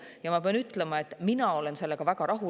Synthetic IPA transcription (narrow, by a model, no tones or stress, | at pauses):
jɑmɑpeɑnyt̪ˑlemɑe̞t̪ːminɑo̞le̞nse̞lːeɡ̥ɑvæɡɑɾʔɑɦu